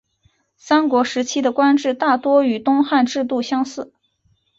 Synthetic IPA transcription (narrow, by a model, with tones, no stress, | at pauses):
sa˥nkwɔ˧˥ʂɻ̩˧˥t͡ɕʰi˥d̪ə˨kwa˥nʈ͡ʂɻ̩˥˧t̪a˥˩t̪wɔ˥y˨˩t̪ʊ˥ŋxa˥˧nʈ͡ʂɻ̩˥˧t̪u˥˩ɕjɑ˥ŋsɹ̩˥˩